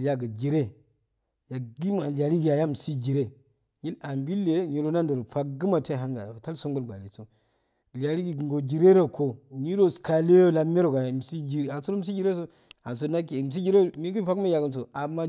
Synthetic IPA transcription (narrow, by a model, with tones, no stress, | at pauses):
ja˨ɡə˨d͡ʒi˨ɾe˦ | ja˨ɡi˦ma˨li˨a˨ɾi˦ɡi˨ja˨ja˦m˨si˦d͡ʒi˨ɾe˦ | ɲi˦la˨mbi˦lːe˨ɲi˨ɾo˦na˦ndo˨ɾo˨fa˦k̚ɡə˦ma˨ta˦˨ɦa˦ŋɡa̰˨ta˦lso˦ŋɡo˦lɡ͡ba̰˨le˨so˨ | li˨a˨ɾi˦ɡi˨ɡɡo˨d͡ʒi˨ɾe˦ɾa˨ko˨ni˦ɾo˨ska˨le˦jo˦la˨me˦ɾo˨ɡa˨ja˨m˨si˦d͡ʒi˨˦a˨so˦ɾo˦m̩s̬i˦d͡ʒi˦ɾe˦s̬o˦ | a˨s̬o˨˦na˦ke˨m˨s̬i˦d͡ʒi˦ɾe˦mi˦ku˦i˦fa˦kma˦ja˨ɡə˨ns̬o˨a˨ma˦